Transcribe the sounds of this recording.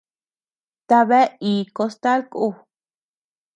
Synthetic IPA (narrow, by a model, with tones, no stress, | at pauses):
t̪a˧βe˦i˨ko˧st̪a˦lku˦˧